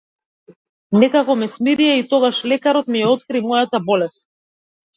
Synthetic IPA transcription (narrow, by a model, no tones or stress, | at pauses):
nɛkakɔmɛsmiɾijɛit̪ɔɡaʃlɛkaɾɔt̪mijɛɔt̪̚kɾimɔjat̪abɔlɛst̪̚